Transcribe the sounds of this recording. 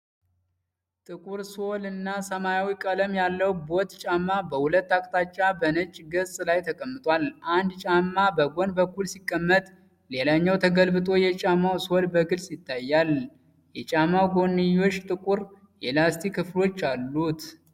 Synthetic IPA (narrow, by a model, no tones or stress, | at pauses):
t̪ʼɨkʼuɾso̞lɨnːasəmajawikʼələmjalːəwbo̞t̪t͡ʃʼamːabəhulət̪ːakʼt̪ʰat͡ʃːabənət͡ʃʼːɡəsʼlajt̪ʰəkʼəmːɨt̪ʼwalʔand̪t͡ʃʼamːabəɡo̞nbəkːulsikʼːəmːət̪ʼ | le̞laɲːawt̪ʰəɡəlbɨt̪ʼo̞jɛt͡ʃʼamawso̞lbəɡɨlsjɪt̪ːajːal | jɛt͡ʃʼamːawɡo̞nːijo̞t͡ʃːt̪ʼɨkʼuɾ | jelast̪ʰikʰːɨflo̞t͡ʃːalːut̪